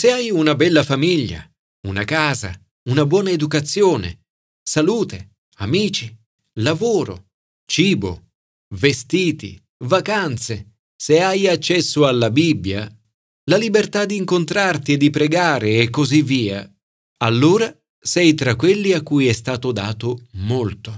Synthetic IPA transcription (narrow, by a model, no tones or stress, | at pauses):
seajunabɛlːafamiʎːa̰ | unakaːza̰ | unabwɔːnaed̪ukat̪sjoːnḛ | saluːt̪e | amiːt͡ʃi | lavoːɾo̰ | t͡ʃiːbo̰ | vest̪iːt̪ḭ | vakant̪se | seajat͡ʃːɛsːoalːabibːja | lalibert̪ad̪ːiːŋkont̪ɾart̪ied̪ːipɾeɡaːɾeːkːozivːiːa̰ | alːoːɾa | sɛjt̪ɾakːwelːiakːujɛst̪aːt̪od̪aːt̪omolt̪o